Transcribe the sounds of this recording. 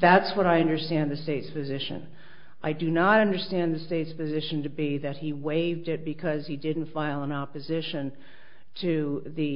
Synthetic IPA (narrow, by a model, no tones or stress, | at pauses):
ðætswʌɾaɪʌ̃ndə˞stæ̃nðɨsteɪtspɨzɪʃɨ̰̃n | ʔaɪdɨnəɾʌ̃ndə˞stæ̃nðɨsteɪtspɨzɪʃɨ̃ntɨbiðɨt̚hiweɪvdɪt̚b̥ɨkʰʌz̥idɪdⁿn̩tfaɪlˠə̃nɑpɨzɪʃɨ̃n | tʰɨðɨ